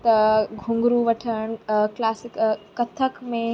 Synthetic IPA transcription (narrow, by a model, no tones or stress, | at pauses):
t̪ɐɡʱũŋɡɾuʋɐʈʰəɽ̃klaːsɪkkɐt̪ʰəkmẽ